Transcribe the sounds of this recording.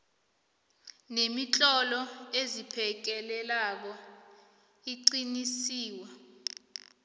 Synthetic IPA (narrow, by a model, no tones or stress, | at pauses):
nemit͡ɬʼɔlɔezipʰɛk̬ɛlɛlak̬ɔ | iǀinisiːwa